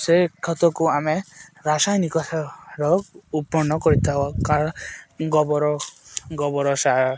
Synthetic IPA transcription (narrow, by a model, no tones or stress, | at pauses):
sekʰɔt̪ɔkuameɾasajnikɔsaɾɔupːɔɳnːɔkɔɾit̪ʰabɔka | ɡɔbɔɾɔɡɔbɔɾɔsa